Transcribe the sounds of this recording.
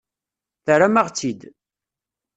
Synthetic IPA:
θəɾamaʁt͡sːid̪

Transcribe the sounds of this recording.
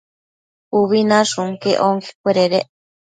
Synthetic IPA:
uβinaʂuŋkeʔoŋkʰe̥kʷeɾeɾeʔ

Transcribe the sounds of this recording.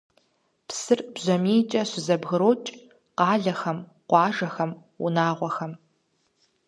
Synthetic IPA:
psɨrbʑɐmiːt͡ʃʼɐɕɪzɐbɣɨɾoːt͡ʃʼ | qɑːɮɐxɐm | qʷɑːʒɐxɐm | ʊ̰naːʁʷɔxɐm

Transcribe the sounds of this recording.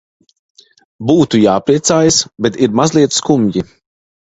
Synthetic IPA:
buːt̪ujaːpɾiɛt̪saːjasbɛt̪iɾmazlˠiɛt̪skumɟi

